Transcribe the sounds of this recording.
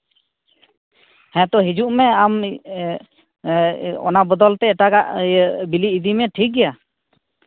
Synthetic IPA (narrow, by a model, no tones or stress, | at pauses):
hɛ̃t̪ɔɦid͡ʒuʔmɛam | ɔ̰nabɔd̪ɔlt̪ɛɛʈaɡaʔbiliːd̪imɛʈʰik̚ɡɛja